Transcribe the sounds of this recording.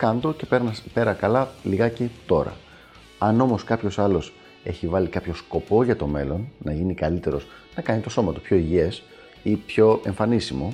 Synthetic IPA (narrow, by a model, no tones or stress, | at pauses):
kɐnd̪o̞ce̞pe̞ɾnɐpe̞ɾɐkɐlɐliɣɐcet̪o̞ɾɐ̰ | ɐno̞mo̞skɐpço̞sɐlo̞s | e̞çivɐlikɐpço̞sko̞po̞ʝɐt̪o̞me̞lo̞nːɐʝinikɐlit̪e̞ɾo̞z | nɐkɐnit̪o̞so̞mɐt̪upço̞iʝie̞s | ipço̞e̞ɱfɐnisimo̞